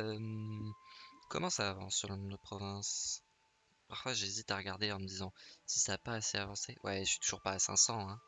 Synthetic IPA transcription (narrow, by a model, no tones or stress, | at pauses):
œm | kɔmɑ̃saːvɑ̃sːyʁlənɔ̃md̪əpχɔvɛ̃s | paʁfwaʒezit̪aʁəɡaʁd̪eɑ̃məd̪izɑ̃si̥saːpaːseavɑ̃sewɛʃɥi̥t̪uʒuʁpaːsɛ̰̃sɑ̃ɛ̃